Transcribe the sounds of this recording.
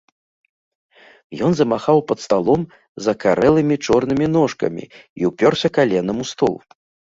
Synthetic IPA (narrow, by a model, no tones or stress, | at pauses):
jɔnzɐmaxawpɐt̪st̪alˠɔm | zɐkaɾʔɛlˠɨmʲit͡ʂɔrnɨmʲin̪ɔʂkɐ̰mʲḭiwpʲɔrsʲɐkalʲɛnɐmust̪ɔ̰lˠ